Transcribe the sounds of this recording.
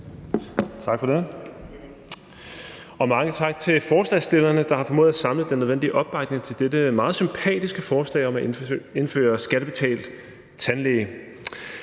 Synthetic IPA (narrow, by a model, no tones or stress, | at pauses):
t͡sʰɑ̈ɡ̥fɒd̥e | ɒ̽mɑ̈ŋət͡sʰɑ̈ɡ̥̚t͡sʰe̝lfɒːslɛsd̥e̝lɐnəd̥ɑ̈hɑ̈fɒmo̰ːð̩ˠsɑ̈mləð̩ˠd̥enøðˠen̰d̥iəʔɒ̽b̥ːɑ̈ɡ̥ne̝ŋt͡sʰe̝ld̥ed̥əmɑ̈ːð̞̩ˠsympʰɛ̰ːd̥isɡ̥əfɒːslɛ̰ːɪɒ̽mæe̝nfø̰ːɐsɡ̥æɾ̥əb̥e̝t͡sʰɛ̰ːld̥ | t͡sʰænleː